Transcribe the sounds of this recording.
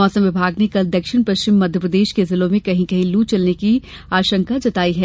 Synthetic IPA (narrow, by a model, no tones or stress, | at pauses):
ɔːsə̃mʋɪbʱaːɡnekɐld̪ɐkʃɪñpɐʃt͡ʃɪmːɐd̪ʱjəpɾɐd̪eːʃkezɪlõmẽkɐɦĩkɐɦĩluːt͡ʃɐlneki | aːʃə̃ŋkad͡ʒɐt̪aːiɦɛː